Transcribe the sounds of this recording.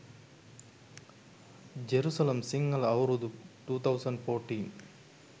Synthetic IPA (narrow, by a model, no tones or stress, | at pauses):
d͡ʒeɾuːsɐlemsiŋɡɐlɐwɾud̪ʈuːt̪ʰɐwsɐɳɖfoːʈin